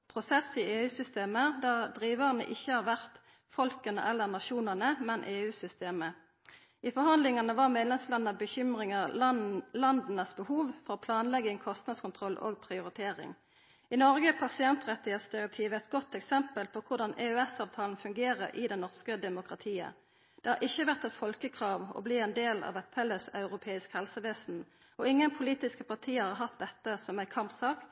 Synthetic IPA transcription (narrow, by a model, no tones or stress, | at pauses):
pʰʁʊsɛsieːʉːsʏst̪eːməd̪æːʁd̪ʁiːʋəʁnə̰ʔɪçːəhɑːʁʋæʁt̪ | fɔlkənə̰ʔɛlːəʁnɑʃuːnəʁnəmɛnʔeːʉːsʏst̪eːmə | ɪfɔʁɦɑnd̪lɪŋɑnəʋɑʁmeːd̪lɛmslɑnənəbəçʏmʁɪŋə | lɑnd̪nəsbəhuːʋfɔʁɔpʰlɑːnlɛɡəɛŋkʰɔst̪nɑd̪skʊnt̪ʰʁɔlːʔo̰ːɡ̚pʰʁɪʊʁɪt̪ʰeːʁɪ̰ŋ | ɪnɔʁɡəpʰɑsɪɛnt̪ʁɛt̪ɪheːt̪sd̪ɪʁət̪ʰiːʋəɛt̪ɡɔt̪ːɛksɛmpəlpʰɔkʰʊʁd̪ɑnʔɛøɛsɑːʋt̪ʰɑːln̩fʉŋɡeːʁəʁʔɪ̰d̪ɛnnɔʁskəd̪ɛmʊkʁɑt̪ʰiːə̰ | d̪̥ɛhɑʁʔɪçːəʋæʁt̪ɛt̪fɔlkəkʰʁɑːʋɔ̰bliːɛnd̪eːlɑ̰ʋɛt̪̚pʰɛlːəsɑʉʁʊpʰeːɪskhɛlsəʋeːsn̩ | ɔɪŋːənpʰʊliːt̪ɪskəpɑʁt̪ʰiːəhɑʁɦɑt̪̚d̪ɛt̪ːəsɔmæɪkʰɑmpsɑːk